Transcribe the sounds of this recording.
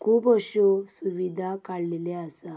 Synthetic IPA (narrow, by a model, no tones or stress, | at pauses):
kʰuːpəɕɔsuʋid̪ʱakaɽleleasa